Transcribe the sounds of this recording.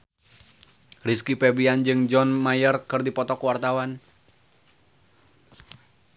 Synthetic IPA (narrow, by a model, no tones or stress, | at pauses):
riskipɛbiand͡ʒɨŋd͡ʒɔnmajərkɨrdipɔt̪ɔkuwart̪awan